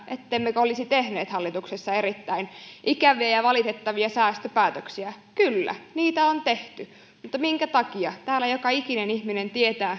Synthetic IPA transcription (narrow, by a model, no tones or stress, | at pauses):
ʔet̪ːemːekolisit̪ehneːt̪hɑlːit̪uksesːɑeɾit̪ːæinʔikæʋiæjɑʋɑlit̪et̪ːɑʋiɑsæːst̪øpæːt̪øksiæ | kylːæ̰niːt̪æont̪eht̪y | mut̪ːɑmiŋkæt̪ɑkiɑt̪æːlːæjokɑikinenihminent̪iet̪æː